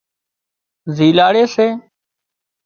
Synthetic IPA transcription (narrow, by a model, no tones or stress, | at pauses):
ziːlaːɽeːseː